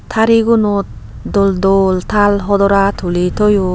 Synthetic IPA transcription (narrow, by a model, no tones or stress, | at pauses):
t̪ʰaɾiɡunɔt̪̚ | dɔld̪ɔlt̪ʰalɦɔd̪ɔɾat̪ʰulit̪ʰɔju